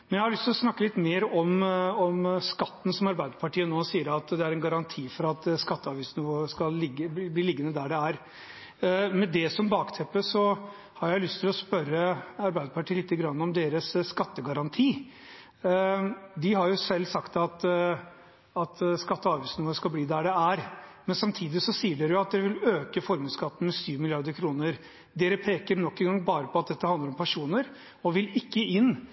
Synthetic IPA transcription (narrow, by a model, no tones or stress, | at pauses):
mɛnjæɪhɑɾlʏst̪ʰɪlɔsnɑkːəlɪt̪meːɾɔmɔmskɑt̪ːn̩sɔmɑɾbæɪd̪əpʰɑʈʰiːənoːsiːəɾɑt̪d̪ɛæɾɛnɡɑɾɑnt̪ʰiːfɔɾɑt̪skɑt̪ːəɑːʋiːsnɪʋoːəskɑlːɪɡəbliːlɪɡːənəd̪æɖɛæɾ | mɛd̪ɛsɔmbɑːkt̪ʰɛpːəsɔ | hɑɾjæɪlʏst̪ʰɪlɔspœɾːəɑɾbæɪd̪əpʰɑʈʰiːlɪt̪ːəɡɾɑnːəɔmd̪eːɾəsːkɑt̪ːəɡɑɾɑnt̪ʰiː | d̪ɪɦɑɾjʊsɛlːsɑkt̪ɑt̪ | ɑt̪ʰskɑt̪ːəɑːʋiːsnʊəskɑlbliːd̪æɖɛæɾmɛnsɑmt̪ʰiːd̪ɪsɔsiːəɖeːɾəjʊɑt̪̚d̪ɛɾəʋɪløːkəfɔɾməskʰɑt̪ːən̩mɛsyːʋmɪlɪɑɾd̪əɾkʰɾuːnəɾ | d̪eːɾəpʰeːkəɾnɔkːɛnɡɑŋbɑːɾəpʰɔɑt̪̚d̪ɛt̪ːəhɑnd̪əɾɔmpʰæʂuːnəɾ | ɔʋɪlɪkːəɪnː